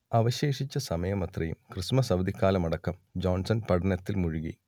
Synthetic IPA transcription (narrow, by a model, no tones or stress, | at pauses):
ɐʋɐɕe̞ːʂit͡ɕːɐsɐmɐjɐmɐt̪rɐjṵmkrɨʂmɐsɐbɐd̪ikːaːlɐmɐɽɐkːɐmd͡ʑoːnsɐnpɐɽɐnɐt̪ːilmuɻuɣḭ